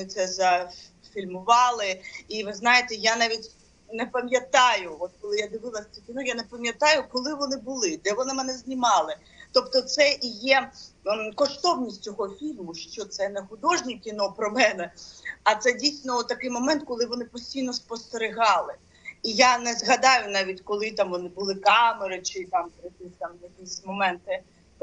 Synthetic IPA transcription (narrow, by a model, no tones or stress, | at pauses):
nɪt̪sɛzɐ | fʲilʲmʊʋɑlˠɪiʋɪznɑjet̪ɛjanaʋʲitʲ | nɛpɐmʲjɐt̪ɑjʊɔt̪̚kɔlˠɪjad̪ɪʋɪlˠɐsʲt͡s̪ʲukʲinɔjanɛpɐmʲjɐt̪ɑjʊkɔlˠɪʋɔnɪbʊlˠɪd̪ɛʋɔnɪmɛnɛzʲnʲimɑlˠɪ | t̪ɔpt̪ɔt̪sɛʔijɛ | kɔʃt̪ɔwnʲisʲtʲt͡sʲɔɦɔfʲilʲmʊʃt͡ʃɔt̪sɛnɛxʊd̪ɔʒnʲɛkʲinɔpɾɔmɛnɛɐt̪sɛdʲijsʲnɔɔt̪ːɐkɪjmɔmɛnt̪̚kɔlˠɪʋɔnɪpɔsʲtʲijnɔspɔst̪eɾɪɦɑlˠɪ | ijanɛzɣɐd̪ɑjʊnɑʋʲitʲkɔlˠɪt̪ɑmʋɔnɪbʊlˠɪkɑmeɾɪt͡ʃɪt̪ɑmp̪ɾɪkɪsʲt̪ɑmjɐkisʲmɔmɛnt̪ɪ